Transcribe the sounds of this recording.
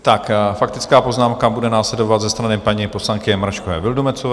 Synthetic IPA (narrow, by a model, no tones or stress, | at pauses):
t̪akfakt̪ɪt͡skaːpo̞znaːmkabudɛnaːslɛdovat̪zɛst̪ɾanɪpaɲiposlaŋkɪɛmɾaʃkovɛ̰ːvɪldumɛt͡sov